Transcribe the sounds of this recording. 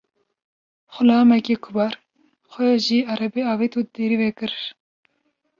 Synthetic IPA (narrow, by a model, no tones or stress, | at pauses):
xʊlɑːmɛkʲekʰʊbɑːɾ | xʷɛjɑʒiːɑɾɛbeːɑːvet̪ud̪eɾiːvekɨɾ